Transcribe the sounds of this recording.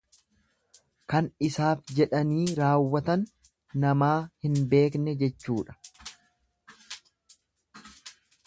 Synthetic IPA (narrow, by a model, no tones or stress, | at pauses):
kɐnɪsaːfd͡ʒɛᶑɐniːɾaːwːɐt̪ɐnː | ɐmaːhɪnbe̞ːknɛd͡ʒɛt͡ʃːuːᶑɐ̥